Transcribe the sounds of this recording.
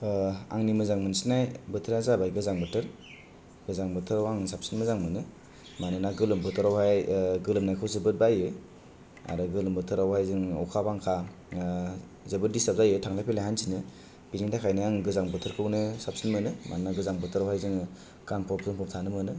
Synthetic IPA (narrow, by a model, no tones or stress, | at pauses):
a̰ŋnimɯzaŋmɯnsinajbɯtʰɯɾazabajɡɯzaŋbɯtʰɯɾ | ɡ̥ɯzaŋbɯtʰɯɾawaŋsapsinmɯzaŋmɯnɯ | manɯnaɡɯlɯmbɯtʰɯɾawhajɡɯlɯmnajkʰɯwzɯbɯt̚bajɯ | a̰ɾɯɡɯlɯmbɯtʰɯɾawhajzɯŋa̰wkʰabaŋkʰa | zebɯt̚distap̚zajɯtʰaŋlajpʰelajɦansʰinɯ | b̥inindakʰajnɯaŋɡɯzaŋbɯtʰɯɾkʰɯwnɯsap̚sinmɯnɯma̰nɯnaɡɯzaŋbɯtʰɯɾawhajzɯŋ | kanpʰɔp̚zɯŋpʰɔp̚tʰanɯmɯnɯ